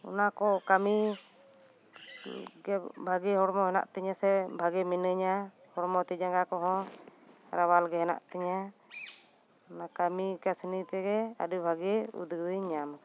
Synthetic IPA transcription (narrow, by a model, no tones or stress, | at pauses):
ɔ̰nakɔkami | ɡɛbʱaɡɛɦɔɾmɔɦɛna̰ʔt̪ɛɲasɛbʱaɡɛminəɲa | hɔɾmɔt̪ɛd͡ʒaŋɡakɔɦɔ̃ | ɾawalɡɛɦɛna̰ʔt̪ɛɲa | nakamikasnit̪ɛɡɛa̰dubʱaɡɛṵd̪ɡəɲam